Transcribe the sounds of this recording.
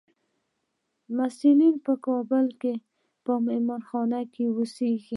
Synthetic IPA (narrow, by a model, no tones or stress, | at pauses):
masilinpəkɑbəlke | pəmamɔnxɑnakewuseɡi